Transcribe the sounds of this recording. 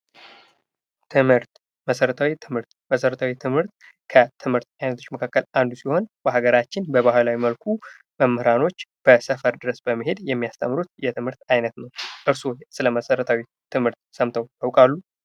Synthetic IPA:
t̪ʰɨmhɨɾt̪ | məsəɾət̪ʰawit̪ʰɨmhɨɾt̪məsəɾət̪ʰawit̪ʰɨmhɨɾt̪̚ | kʰət̪ʰɨmhɨɾt̪̚ajnət̪ʰo̞t͡ʃːməkʰakːəland̪usiho̞nbəɦaɡəɾat͡ʃːɪnbəβahɨlawiməlkʰu | məmːɨhɨɾano̞t͡ʃːb̥əsəfəɾd̪ɨɾəsbəmːɨɦe̞d̪jɛmːijast̪ʰəmːɾut̪jɛt̪ʰɨmhɨɾt̪ajnət̪nəwʔɨɾsosɨləməsəɾət̪ʰawi | t̪ʰɨmhɨɾt̪səmt̪ʰəwj̪awkʼalːu

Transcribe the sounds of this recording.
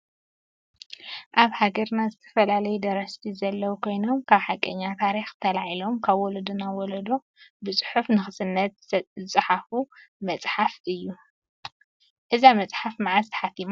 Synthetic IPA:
ʔaβhaɡɐɾnazɨt̪ʰɐ̥fɐlalɐjud̪ɐɾɐst̪ʰizɐlːɐwukʰo̞jno̞mkʰaβħakʼːɐɲːat̪ʰaɾixt̪ʰɐlaʕilo̞mkʰaβwɔlɐd̪unawɔlɐd̪o | bɨsʼɨ̥ħufnɨxɨsɨnːɐt̪zɨt͡sʼɨħafumɐt͡sʼħafʔɨjːu | ʔɨzamɐt͡sʼħafmaʕazt̪ʰɐ̥ħat̪ːima

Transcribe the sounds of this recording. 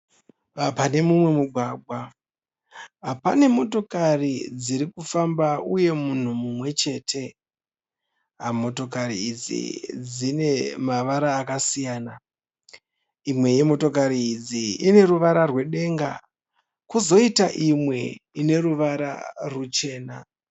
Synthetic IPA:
apane̞mumwe̞muɡʱwaːɡʱwa | apane̞mo̞to̞karid͡ziɾikufambauje̞mun̤umumwe̞t͡ʃe̞ːtʰe̞ | ɦamo̞to̞kaɾiid͡zḭd͡zine̞maʋaɾaːkasijaːna | imwe̞je̞mo̞to̞kaɾiːd͡ziine̞ruʋaɾarwe̞ɗe̞ŋɡa̰ | kuzo̞itaʔimwe̞ine̞ruʋaɾa̰rut͡ʃe̞ːna

